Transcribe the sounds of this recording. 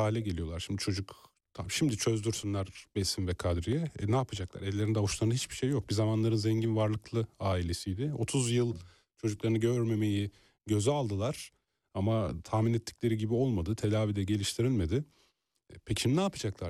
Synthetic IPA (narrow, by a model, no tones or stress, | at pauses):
aːilʲɛɟe̞lʲijo̞lˠaɾʃimd̪it͡ʃʰo̞d͡ʒuk | t̪ʰaʃimd̪it͡ʃʰø̞zd̪yɾsunlˠaɾbesimvɛkʰad̪ɾijɛnaːpʰad͡ʒaklˠa̰ɾɛllʲe̞ɾind̪avuʃlˠaɾɯnhit͡ʃbi̥ʃe̞jjok̚bizamanlˠaɾɯnzɛɲɟinvaɾlˠɯklˠɯaːilʲe̞sijd̪ɪo̞t̪ʰuzjɯlˠ | t͡ʃʰo̞d͡ʒuklˠaɾɯnɯɟøɾme̞me̞ji | ɟø̞zɛalˠd̪ɯlˠaɾ̥ | amat̪ʰaːminɛt̪ʰːi̥clʲe̞ɾiɟibio̞lˠmad̪ɯt̪ʰe̞d̪aːvid̪ɛɟe̞lʲiʃt̪ʰiɾilʲme̞d̪ɪ | pʰecʰi̥ʃiminaːpʰad͡ʒaklˠa